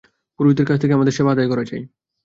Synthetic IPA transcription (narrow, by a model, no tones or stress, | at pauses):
koɾbit̪ːeɾkat͡ɕʰt̪ʰekeamad̪eɾʃebaad̪ajkɔɾat͡ɕaj